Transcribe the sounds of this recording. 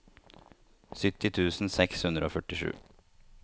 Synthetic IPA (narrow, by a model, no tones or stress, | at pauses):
sʏt̪ɪt̪ʰʉːsn̩sɛkshʉnd̪ɾəoːfœʈɪʂʉ̰ː